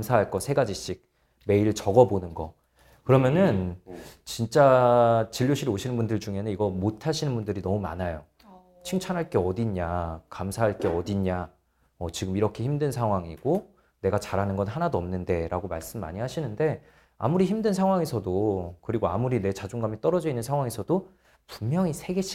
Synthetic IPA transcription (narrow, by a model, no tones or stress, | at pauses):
kmsʰaɦaɭk͈ʌsʰe̞ɡad͡ʑiɕ͈ik̚ | me̞iɾɯɭt͡ɕʌɡʌbonɯnɡʌ | kɯɾʌmjʌnɯnt͡ɕint͡ɕ͈at͡ɕiʎːoɕʰiɾoɕʰinɯnbundɯɭd͡ʑuŋe̞nɯniɡʌmotʰaɕʰinɯnbundɯɾinʌmuma̰najo | t͡ɕʰiŋt͡ɕʰanɦaɭk͈e̞ʌdiɲakamsʰaɦaɭk͈e̞ʌdiɲa | mʌt͡ɕiɡɯmiɾʌkʰe̞çimdɯnsʰaŋɦwaŋiɡ̥o | ne̞ɡat͡ɕaɾanɯnɡʌnɦanadoʌmnɯnde̞ɾaɡomaɭs͈ɯmːa̰ɲiɦaɕʰinɯnde̞ | a̰muɾiçimdɯnsʰaŋɦwaŋe̞sʰʌdokɯɾiɡoamuɾine̞t͡ɕad͡ʑuŋɡamit͈ʌɾʌd͡ʑʌinːɯnsʰaŋɦwaŋe̞sʰʌdo | pummjʌŋisʰe̞ɡe̞ɕʰ